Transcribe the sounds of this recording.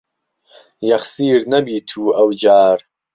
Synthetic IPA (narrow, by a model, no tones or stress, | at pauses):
jɐχsiːɾnɐbiːt̪ʰuːɐwd͡ʒaːɾ